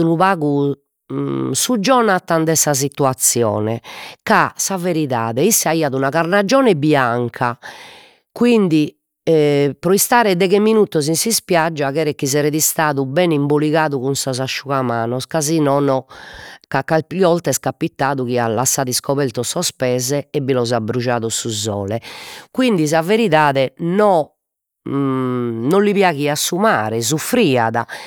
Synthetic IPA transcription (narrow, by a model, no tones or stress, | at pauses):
unuβaːɣu | sud͡ʒːɔnat̪and̪ɛsas̬it̪uat̪sːjɔ̰ːnɛ̰kasaveɾiða̰ːðɛisːɛaiːaðunaɣaɾnad͡ʒɔːnɛbiaŋkʰa | kwind̪i | pɾɔist̪aːɾɛðɛɣɛminut̪ːɔzinsispjad͡ʒːaɣɛːɾɛkːizɛɾɛðist̪aːðubɛnimboliɣaːðuɣunsɔzaʃːuɣamaːnɔskazinɔːnɔkakːapɔlt̪ɛskapːit̪ːaːðuɣialasːaːðiskɔβɛɾt̪ɔsɔspɛːzɛɛbilɔzabːɾud͡ʒaːðɔsuzɔ̰ːlɛkwind̪isaveɾiðaːðɛnɔ | nɔlːiβjaɣiasːumaːɾɛzufɾiːa̰ða̰